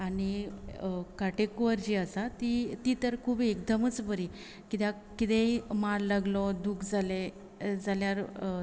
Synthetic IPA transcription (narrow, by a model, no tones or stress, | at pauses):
ani | kaʈekuʋəɾd͡ʑiasat̪it̪it̪əɾkʰubiek̚d̪əmət͡sbəɾi | kit̪ja | kit̪eimalːaɡlɔd̪ukʰd͡zale | d͡zaljaɾ